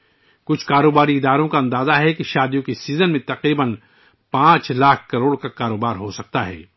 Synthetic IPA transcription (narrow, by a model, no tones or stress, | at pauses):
kʊt͡ʃʰkaːɾoːbaːɾiɪd̪aːɾõkaɐ̃nd̪aːzaɦɛkiʃaːd̪ijõkisiːzənmẽt̪ɐqɾiːbən | pãːt͡ʃlaːkʰkɐɾoːɽkakaːɾoːbaːɾɦosɐk̚t̪aɦɛ̰ː